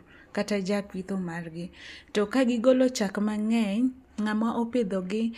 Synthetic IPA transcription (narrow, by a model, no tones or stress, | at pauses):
katad͡ʒakwit̪omarɡɪtɔkaɡɪɡolot͡ʃakmaŋɛɲŋamaʔoped̪oɡɪ